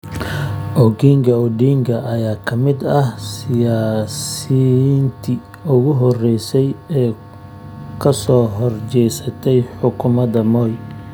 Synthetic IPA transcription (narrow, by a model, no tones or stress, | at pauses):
ʔɔɡiːŋɡɐʊɖiːŋɡɐʔɐjaːkʰɐmɪd̪ɐhsɪjaːsint̪ʰɪ | ʊɣʊɦɔrɛjsɛjɛː | kʰɐsɔːɦɔrt͡ʃɛjsɐt̪ʰɛjħʊkʰʊmɐd̪ɐmɔːj